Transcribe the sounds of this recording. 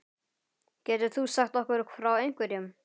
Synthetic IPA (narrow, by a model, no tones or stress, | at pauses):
cɛːt̪ʏ̥θusaxt̪ɔhkʏɾkfɾawejŋ̥kvɪɾjʏm